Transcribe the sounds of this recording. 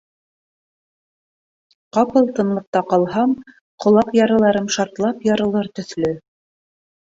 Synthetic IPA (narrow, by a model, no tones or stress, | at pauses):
qɑpɤlˠt̪ɤ̆nlˠɤ̆q̚t̪ɑqɑlˠɦɑm | qʰŏlˠɑqjɑɾɤ̆lˠɑɾɤmʃɑɾt̪lˠɑpjɑɾɤ̆lˠɤɾt̪ɵ̆θlɵ